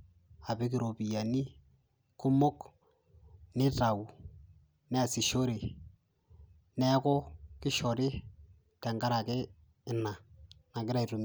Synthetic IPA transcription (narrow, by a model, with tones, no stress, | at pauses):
a˨bɪ˦k̬ɪ˨ɾo˨pi˨ja˨ni˦ | kʊ˦mʊ˦k | nɪ˦ta˨u˨ | nɛ˦a˨sɪ˨ʃo˦ɾe˨ | nɛ˦kɔ˦kɪ˦ʃɔ˨ɾɪ˦ | tɛ˨ŋka˦ɾa˨kɛ˦ | ɪ˨na˨na˨kɪ˦ɾa˨tu˨m